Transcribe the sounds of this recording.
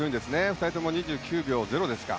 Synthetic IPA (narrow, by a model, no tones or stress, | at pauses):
oĩnd̪e̞sɨne̞ɸɯ̟t̪ait̪o̞mo̞ɲ̟iʑɨːkʲɨːbʲo̞ːze̞ɾo̞d̪e̞sɨ̥ka̰